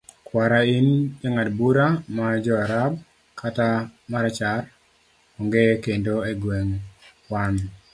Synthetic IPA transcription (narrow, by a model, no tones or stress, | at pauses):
kwaɾaind͡ʒaŋadbuɾamad͡ʒɔaɾab̚ | kʰatamaɾat͡ʃar | ɔŋɡekendoeɡweŋ | wan